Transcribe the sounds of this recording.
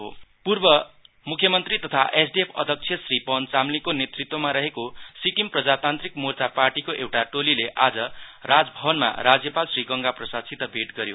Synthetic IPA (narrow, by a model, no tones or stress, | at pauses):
ɦo̰purbʌ | mukʰjʌmʌnt̪rit̪ʌt̪ʰaʔesɖiepʰʌ̰d̪ʱʌk̚t͡sʰjʌsripʌnt͡samlikonet̪rit̪ːwomaɾʌɦekosikimprʌd͡zat̪ant̪rikmort͡saparʈikoʔewʈaʈolileʔad͡zʌrad͡zbʱʌbʌnma̰ɾad͡zjʌpalsriɡʌŋɡaprʌsasit̪ːʌbʱeʈɡʌɾjo̰